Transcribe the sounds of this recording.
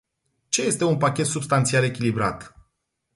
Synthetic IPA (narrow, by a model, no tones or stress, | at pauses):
t͡ʃe̞je̞st̪e̞unpakʲe̞t̪subst̪ant̪siale̞kʲilibɾa̰t̪